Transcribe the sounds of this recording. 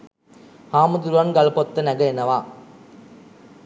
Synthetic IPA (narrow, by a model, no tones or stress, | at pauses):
haːmɐd̪uɾʋaːnɡɐlpɔt̪ːɐnɐɡɐɛnːɐʋaː